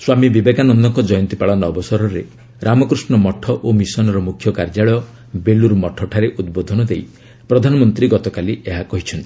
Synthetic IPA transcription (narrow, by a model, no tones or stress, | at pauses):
swamibibekanɔnd̪ɔŋkɔd͡ʒɔjɔnt̪ipaɭɔnɔːbɔsɔɾɔɾe | ɾamɔkɾusnɔmɔʈʰːɔʔomisɔnɔɾɔmukʰjɔkaɾd͡ʒaɭɔjɔ | beluɾmɔʈʰɔʈʰaɾeʔud̪bod̪ʱɔnɔd̪ej | pɾɔd̪ʱanɔmɔnt̪ɾiɡɔt̪ɔkalieɦakɔɦit͡ʃʰɔnt̪ii̥